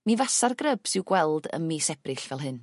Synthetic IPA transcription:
mivasarɡrəb̥sɪwɡwɛlˠdə̰mmisɛb̥rɪɬvɛlˠɦɨn

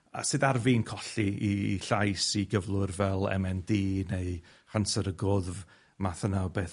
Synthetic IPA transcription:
a̰sɨːðarvinkʰɔɬiiɬajsiɡəvlˠʊrvɛlˠɛ̰mɛndiːneɨ | χansəɾəɡʊðv | maθənawbeːθ

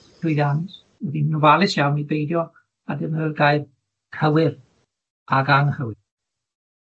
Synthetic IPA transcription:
dʊɨðans | wɛðinnuvalˠɪsjawnibejdjɔ | adənərɡajð | kʰəwɪr | aɡanəhəwɨ

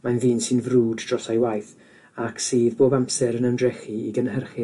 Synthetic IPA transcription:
majnðiːnsɨnvruːdd̥rɔsajwajθ | aksiːðboːbampsɛɾənəndrɛχiiɡənhərχɪ

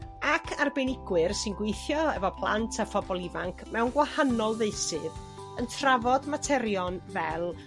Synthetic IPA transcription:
akʰarbenɪɡwɪrsɨnɡwejθjɔɛvɔpʰlˠa̰ntʰafɔbɔlˠɪvaŋkʰmɛwnɡwahanɔlˠðeɨsɨð | əntʰravɔdmatʰɛɾjɔnvɛlˠ

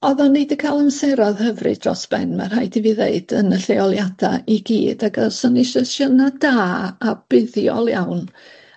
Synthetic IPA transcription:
ɔðɔnːɪdəkʰalˠənsɛɾɔðhəvrɨ̰d̥rɔ̰sb̥ɛ̰nmar̥hajdiviːðḛɨd̥ənəɬeɔlˠjad̥a̰iɡḭːdaɡəsɔnɪʃəʃənadaːab̥ɪðjɔ̰lˠjawn

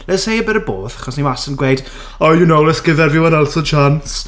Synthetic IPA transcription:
lɛshejəbɛɾəbo̰ːθḁχɔsnimasənɡwejd | ɔjunowlɪsɡ̥ɪðɛɾvɪwənalˠsɔt͡ʃʰans

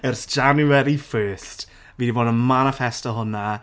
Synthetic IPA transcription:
ərsd͡ʒ̥anuɛɾifɜːst | viːdivoːdənmanəfɛstəɦʊna

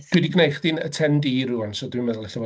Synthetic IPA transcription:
d̥wɪdiɡnejχd̥iːnə̰tʰɛndiɾuansɔdwɪmɛðlˠɛɬɔvɔ

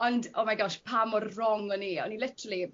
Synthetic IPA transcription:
ɔndɔmaɡɔʃpʰamɔrrɔŋɔniɔ̰nilˠɪtʰɾəlˠi

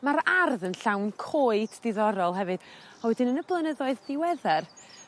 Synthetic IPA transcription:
maɾarðənɬawnkʰoːɨddɪðɔɾɔlˠɦɛvɨd̥ | ɔwɛdɪnənəblˠənəðɔɨðdɪwɛðɛr

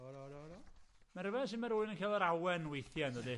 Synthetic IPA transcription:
maɾəvɛnsɪnmaɾuːɨnənkʰalˠɔɾawɛnwejθjandədi

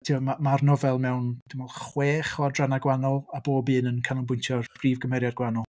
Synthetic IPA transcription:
tʰiɔmamarnɔvɛlˠmɛwnd̥ɪmɔlˠχweːχɔdranaɡwanɔlˠaboːbɨːnənkʰanɔŋbʊjntʰjɔrb̥riːvɡəmhɛɾjarɡwanɔlˠ

